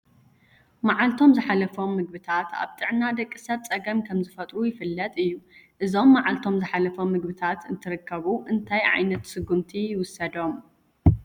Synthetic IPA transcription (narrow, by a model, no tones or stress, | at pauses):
maʕalt̪ʰo̞mzɨħalɐfo̞mːɨɡ̚bɨt̪ʰat̪ʰa̰βt̪ʼɨʕnad̪ɐkʼːɨsɐt̪t͡sʼɐɡɐmkʰɐmzɨfɐt̪ʼɾujɪfɨlːɐt̪ʼɨjːuʔɨzo̞mːaʕalt̪ʰo̞mzɨħalɐfo̞mːɨɡbɨt̪ʰat̪ɨnt̪ʰɨɾɨkʰːɐβuʔɨnt̪ʰajʕa̰jnɐt̪sɨɡːumt̪ʰijɪwʊsɐd̪o̞m